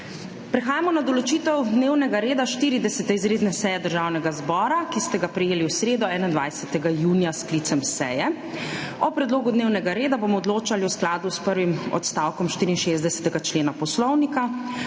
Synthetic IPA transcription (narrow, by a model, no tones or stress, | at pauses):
pɾɛxaːjamɔnad̪ɔlɔt͡ʃiːt̪ɛwd̪neːwnɛɡaɾeːd̪aʃt̪iːɾid̪ɛsɛt̪ɛizɾeːd̪nɛsɛjɛd̪əɾʒaːwnɛɡazbɔːɾakist̪ɛɡapɾɛjeːliwsɾeːd̪ɔɛːnaind̪ʋajsɛt̪ɛɡajuːnijasklit̪sɛmsɛ̰jɛ | ɔpɾɛd̪loːɡud̪neːwnɛɡaɾeːd̪abomɔɔd̪loːt͡ʃaliwsklaːd̪uspəɾʋimɔ̰t̪st̪aːwkɔmʃt̪iːɾiːnʃezd̪d̪ɛsɛ̥t̪ɛɡat͡ʃleːnapɔslɔwnika